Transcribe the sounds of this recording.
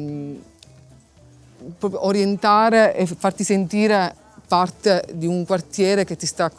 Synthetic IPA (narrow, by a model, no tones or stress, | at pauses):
pːɾɔːpɾjoʔoɾjent̪aːɾeʔefːart̪isent̪iːɾe | part̪ed̪iuŋkwart̪jɛːɾek̟et̪ːist̪aːkː